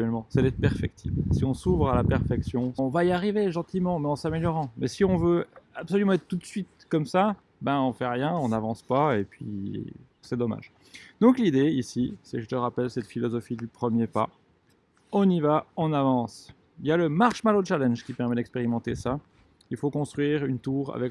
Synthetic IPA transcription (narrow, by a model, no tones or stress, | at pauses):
ɛlmɑ̃sɛd̪ɛt̪pɛʁfɛk̚t̪ʰḭbsiɔ̃suvʁalapɛʁfɛksjɔ̃ɔ̃vaiaʁiveʒɑ̃t̪imɑ̃mɛɑ̃sameljɔʁɑ̃mɛsiɔ̃vøapsɔlymɑ̃ɛt̪t̪ːut̪sɥit̪̚kɔmsa | bɛ̃ɔ̃fɛʁjɛ̃ɔ̃navɑ̃spaepɥḭ | sɛd̪ɔma̰ʒ | d̪ɔ̃klid̪eisisɛʒət̪əʁapɛlsɛt̪filɔzɔfid̪ypχəmjepa | ɔ̃nivaɔ̃navɑ̃s | iljaləmaʁʃmalot͡ʃalɛ̃nʒkʲipɛʁmɛd̪ɛkspeʁimɑ̃t̪esa | ilfokɔ̃st̪χɥiʁynt̪uːʁa̰vɛk